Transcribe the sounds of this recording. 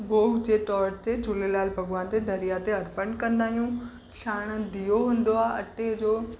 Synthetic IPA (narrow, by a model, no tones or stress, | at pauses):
bʱoːɡd͡ʑeːʈɔːɾt̪ed͡ʑʊlelaːlbʱɐɡʋaːnt̪ed̪ʱɐɾijat̪eɐɾpəɳkɐ̃nd̪aːɦijũ | ʃaːɽ̃əd̪ijoɦũːnd̪oaːɦeɐʈed͡ʑoː